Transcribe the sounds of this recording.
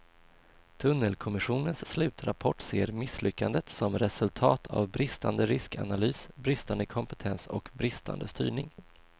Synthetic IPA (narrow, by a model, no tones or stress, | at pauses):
t̪ʰɵnːəlkʰɔmɪɧuːnənsːlʉ̟ːt̪ɾapʰɔʈːseːɾmɪslʏkːand̪ət̪sɔmɾɛsɵlt̪ʰɑːt̪ʰa̰vbɾɪst̪and̪əɾɪska̰nalyːsbɾɪst̪and̪əkʰɔmpət̪ʰɛnsɔ̰kbɾɪst̪ʰa̰nd̪əst̪y̰ːɳɪŋ